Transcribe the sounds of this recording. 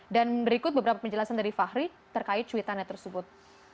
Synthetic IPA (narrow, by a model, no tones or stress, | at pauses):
danbəɾikʊt̪̚bəbəɾapapəɲd͡ʒəlasandaɾifahɾi | t̪ərkaɪt̪̚t͡ʃuit̪anat̪ərsəbʊt̪̚